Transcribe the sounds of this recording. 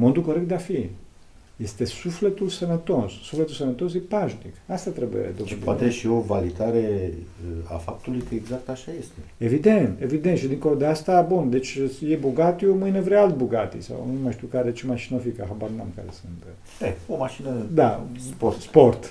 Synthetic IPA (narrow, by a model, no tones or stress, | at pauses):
mond̪ulko̞ɾekt̪d̪eafi | je̞st̪e̞suflet̪ulsənət̪o̞sːufle̞t̪ulsənət̪o̞s̬jepaʒnḭkast̪at̪ɾebṵḛd̪oupoat̪eʃio̞valid̪aɾe̞əa̰fap̚t̪ulujkəeɡzak̚t̪aʃaje̞st̪eevid̪e̞nt̪e̞vid̪ent̪ʃid̪iŋko̞lod̪east̪abund̪e̞t͡ʃʲjebuɡat̪jomɨjnevɾealt̪̚buɡat̪ḭsa̰wnumajʃt̪iwkaɾet͡ʃemaʃinofikaɦabarnamka̰ɾḛsɨnt̪ | eomaʃinəd̪aposport̪